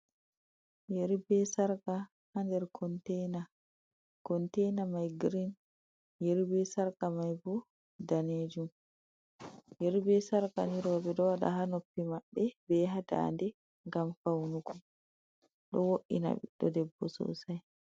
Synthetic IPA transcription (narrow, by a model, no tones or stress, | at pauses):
jeɾbɛsaɾka | handɛɾkʰɔntɛna | kɔntɛjnamajɡɾin | jeɾibɛsaɾkamajbɔ | daneːd͡ʒum | jeɾbɛsaɾka̰niɾɔbɛdɔwaɗa̰ɦanopːimaɓːɛbɛɦada̰ndɛ | ŋɡamfawnukɔ | ɗɔwoʔina̰ɓḭɗːɔdɛbːɔ̰sɔ̰saj